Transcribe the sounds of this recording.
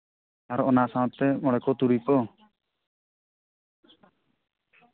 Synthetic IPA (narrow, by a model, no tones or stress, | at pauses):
aɾɔɔnasãw̃t̪ːɛmɔɽɛkɔt̪uɾipɔ